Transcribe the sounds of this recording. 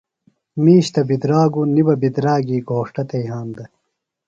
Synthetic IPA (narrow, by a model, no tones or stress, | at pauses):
miːɕt̪ɐbid̪ɾaːɡunibɐbid̪ɾaːɡiːɡoːʂʈɐt̪ɐjɦaːnd̪ɐ